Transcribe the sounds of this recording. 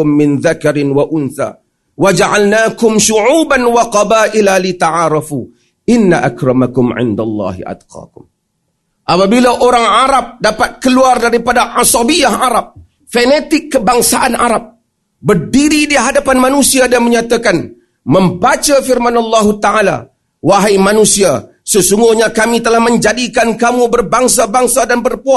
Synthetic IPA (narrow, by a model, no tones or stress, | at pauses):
ʊmːɪnðakaɾɪnwaʔʊnθa̰ | wad͡ʒaʕalnakʊmʃuʕuːbanwaqɑbaːʔɪlalit̪aʕaɾɑfu | ʔɪnːaʔakɾɑmakʊmʕɪ̰nda̰lˤːɑ̰ːɦḭʔa̰d̪qɑ̰ːkʊm | ʔapabilaʔoɾaŋʕaɾap̚dapat̪̚kəluardaɾipadaʔasɑbijahaɾap̚ | fenet̪ɪkːəbaŋsaʔanaɾap̚ | bərdiɾidiɦadapanmanusiadanməɲat̪akan | məmbat͡ʃafɪrmanɑlːɑɦut̪aʕala̰ | waɦajmanusia | səsuŋɡʊhɲakamit̪əlahməɲd͡ʒadikankamubərbaŋsabaŋsadanbərpua